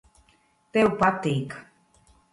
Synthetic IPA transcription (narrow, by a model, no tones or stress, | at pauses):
t̪eupat̪ik